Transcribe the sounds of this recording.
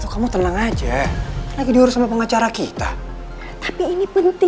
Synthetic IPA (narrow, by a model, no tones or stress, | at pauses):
t̪ukamut̪ənaŋad͡ʒalaɡidiuɾʊsamapəŋat͡ʃaɾakit̪a̰ | t̪ḁpiːnipənt̪ɪ